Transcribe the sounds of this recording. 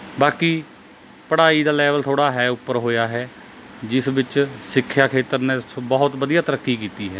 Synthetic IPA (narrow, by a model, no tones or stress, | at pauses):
baːkiː | pəɽaːiːd̪aːlɛːʋəlt̪ʰoːɽaːɦɛːʊpːəɾɦoːjaːɦɛː | d͡ʒɪsʋɪt͡ʃsɪkʰːjaːkʰeːt̪əɾnɛːbəɦʊt̪bəd̪ijaːt̪əɾəkːiːkiːt̪iːɦɛː